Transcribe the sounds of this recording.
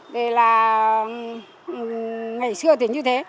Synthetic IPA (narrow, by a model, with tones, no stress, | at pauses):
ɗe˨˩laː˨˩ | ŋa˨˩jsɨ˧ət̪ʰi˨˩ɲɨ˧t̪ʰe˨˦